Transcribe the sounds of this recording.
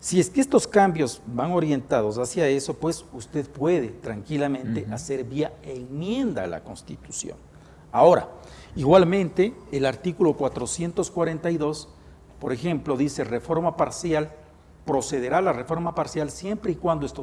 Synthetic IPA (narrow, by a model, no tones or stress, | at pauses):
sie̞skest̪o̞skambjo̞zbaŋo̞ɾje̞nt̪að̞o̞s̬asjae̞so̞pwe̞sust̪e̞ðpwe̞ðe̞t̪ɾaŋkilamẽ̞nt̪eʔase̞ɾβiaeŋmje̞nd̪aːla̰ko̞nst̪it̪usjo̞̰n | ao̞ɾa̰iɣwalmẽ̞nt̪e̞ːlaɾt̪ikulo̞kwat̪ɾo̞sje̞nt̪o̞skwaɾe̞nt̪ajðo̞s | po̞ɾe̞xe̞mplo̞ðise̞refo̞ɾmapaɾsjal | pɾo̞se̞ðe̞ɾalare̞fo̞ɾmapaɾsjalsje̞mpɾeikwand̪oest̪o